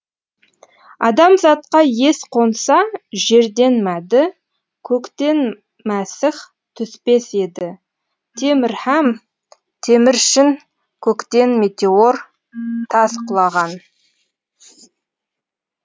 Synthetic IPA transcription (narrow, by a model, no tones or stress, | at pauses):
ɑ̰d̪ɑmzɑt̪qɑje̞sqʰo̞nsɑʒe̞ɾd̪e̞nmæd̪ɪ | kʲʰɵkt̪e̞n | mæsɪχ | t̪ʰʏspe̞se̞d̪ɪ | t̪ʰe̞mɪɾhæm | t̪ʰe̞mɪɾʃɪn | kʲʰɵkt̪e̞nme̞t̪e̞o̞r | t̪ʰɑsqʰʊlˠɑʁɑn